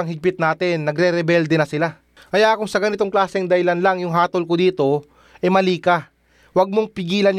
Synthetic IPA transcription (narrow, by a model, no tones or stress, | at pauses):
ɐŋɦɪɡ̚pɪt̪̚naːt̪ɪnːɐɡɾɛɾɛbɛld̪ɛnɐsɪla | kɐjakʊŋsɐɡɐnɪt̪oŋklaːsɛŋd̪ɐɪlɐnlaŋjʊŋɦaːt̪olkod̪iːt̪o̞ | ʔɛmɐliːka | wɐɡ̚moŋpɪɡiːlɐn